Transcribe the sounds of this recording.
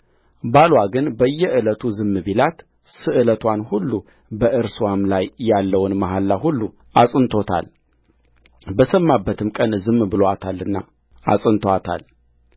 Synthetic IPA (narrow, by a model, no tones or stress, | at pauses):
balwaɡɨnbəjːɛʔɨlət̪ʰuzɨmːɨbilat̪ | sɨʔɨlət̪ʰwanhulːu | bəʔɨɾswamlajːalːəwnmaɦalːaɦulːu | asʼɨnt̪ʰo̞t̪ʰa̰l | bəsəmːabːət̪ʰɨmkʼənzɨmbɨloat̪ʰalːɨnːa̰ | a̰sʼɨnt̪ʰowat̪ʰa̰l